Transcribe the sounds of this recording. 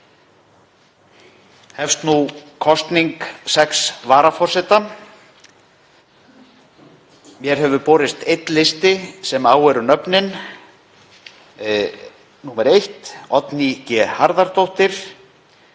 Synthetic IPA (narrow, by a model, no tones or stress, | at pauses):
hɛfst̪nukʰɔst̪niŋksɛksvaːɾafɔr̥sɪt̪a | mjɛɾ̥ɦɛvʏpɔːɾɪst̪ejt̪lɪst̪ɪsɛmaːwɛɾʏnœpnɪn | nuːmɛɾejht̪ɔt̪nicɛhaɾðaɾt̪owht̪ɪɾ̥